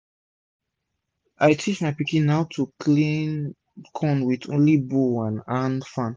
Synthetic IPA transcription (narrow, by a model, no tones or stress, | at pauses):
ʔaɪtʰit͡ʃmaɪpikĩnːaʊtʰukʰlĩn | kʰɔ̃nwidõ̰nliboãnãnfãn